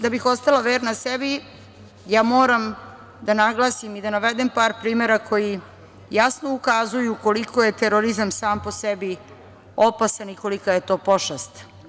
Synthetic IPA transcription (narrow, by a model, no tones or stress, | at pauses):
d̪abixo̞st̪alaʋeːɾnasebi | jaːmoːɾam | d̪anaɡlˠaːsimid̪anaʋed̪empaːɾpɾiːmeɾakʰo̞ji | jasno̞ukazujuko̞likoje̞t̪eɾoɾizamsaːmposebi | opasaniko̞likajet̪o̞ːpo̞ʃast̪